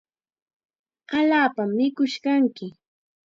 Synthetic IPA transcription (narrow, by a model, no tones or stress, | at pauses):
aʎaːpamːɪkʊʃkaŋkɪ